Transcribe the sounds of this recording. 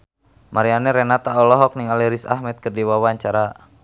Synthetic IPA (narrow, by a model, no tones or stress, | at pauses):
maɾianɛɾɛnat̪aɔlɔɦɔk̚niŋaliɾisa̰hmɛt̪̚kɨrdiwawaɲt͡ʃaɾa